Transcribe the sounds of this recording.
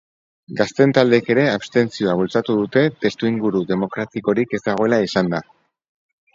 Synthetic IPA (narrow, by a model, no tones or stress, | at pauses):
ɡast̪e̞nt̪ald̪eke̞ɾe̞aβst̪e̞nsio̞aβ̞ult͡sat̪uðut̪e̞t̪e̞st̪uiŋɡuɾuðe̞mo̞kɾat̪iko̞ɾike̞zd̪aɣ̞o̞e̞laisand̪a